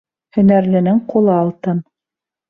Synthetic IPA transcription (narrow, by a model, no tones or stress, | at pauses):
hɵ̆næɾlɘ̆nɘŋqulˠɤɑlˠt̪ɤn